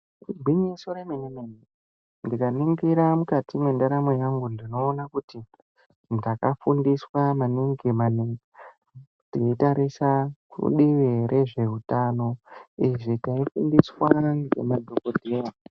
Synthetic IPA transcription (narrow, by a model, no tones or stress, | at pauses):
bʱiɲisoɾemenemeni | ndikaniŋɡiɾamukatimwendaɾamwe̞jaŋɡundino̞ːnakuti | ndakafundiswamaniŋɡimaniŋi | tiitaɾisakṵɗiʋeɾʔe̞ʐe̞ɦutano̞iʐitaifundiswaŋɡe̞̰madʱokodʱija